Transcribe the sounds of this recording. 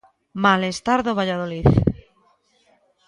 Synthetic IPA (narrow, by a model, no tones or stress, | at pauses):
malest̪aɾðoβaʎað̞oliθ